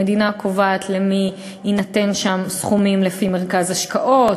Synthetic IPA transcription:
ed̪inakʰovaːt̪ʰle̞mi | inate̞nʃamsχumimlefime̞ʁkazaʃkaʔo̞

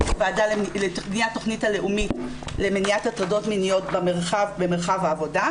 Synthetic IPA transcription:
vaadallenijatːoχnitale̞ʔumit | le̞meniatat͡sado̞tminijo̞tbameʁχavbemeʁχavaːvo̞da

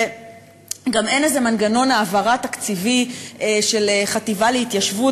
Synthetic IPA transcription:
ɡame̞nezemanɡano̞naːvaʁat̪akt͡sivieʃe̞leχativaleit̪jaʃvu

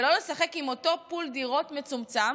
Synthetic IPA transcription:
lo̞lesaχe̞kimo̞to̞puldiʁo̞tme̞t͡sumt͡sam

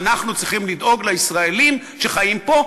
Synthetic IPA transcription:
naχnut͡sʁiχimlid̪o̞ɡlaisʁaelim | ʃeχajimpo̞

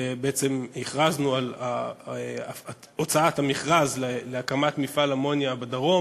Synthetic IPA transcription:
beet͡se̞mhiχʁaznuala | ot͡saathamiχʁazleleakamatmifalamo̞njabadaʁo̞

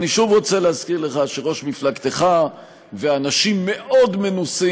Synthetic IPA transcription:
niʃuvʁo̞t͡seleazkiʁle̞χaʃeʁo̞ʃmiflaɡt̪e̞χa | veanaʃimːe̞ʔo̞d̪me̞nusi

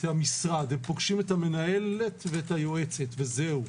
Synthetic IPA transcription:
thamisʁad̪empoɡʃimetame̞naje̞letveethajo̞e̞t͡setvezeu

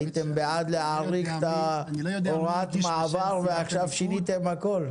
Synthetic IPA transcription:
it̪embead̪leaʁikt̪a | oʁat̪maːvaʁveaχʃavʃinit̪emhako̞l

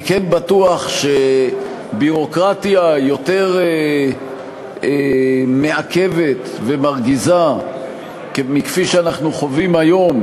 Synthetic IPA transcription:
kenbatuaχʃe̞ | biʁo̞kʁat̪jajo̞te̞ʁe | eme̞ake̞ve̞t̪ | ve̞maʁɡiza | kemikfiʃeanaχnuχo̞vimajo̞m

